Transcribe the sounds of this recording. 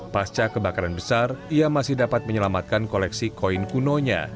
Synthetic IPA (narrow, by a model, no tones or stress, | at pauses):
past͡ʃakəbakaɾanbəsariamasɪhdapat̪̚məɲəlamat̪̚kankolɛksikoinkunoɲa̰